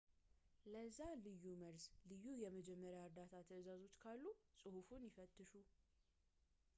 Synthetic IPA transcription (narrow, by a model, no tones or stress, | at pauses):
ləzːalɨjːuməɾslɨjːujɛməd͡ʒɛmːəɾjaəɾd̪at̪ʰat̪ʰəɨzazo̞t͡ʃːkʰalːusʼɨhufunjɪfət̪ʼːɨʃu